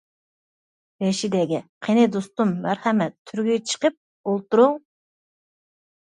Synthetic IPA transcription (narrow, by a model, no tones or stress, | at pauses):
bɛʃid̪ɛɡʲɛqʰenɪd̪ost̪umːæɾhɛmɛt̪ʰːyɾɡʲyt͡ʃʰə̥qəp̚ | olˠt̪uɾu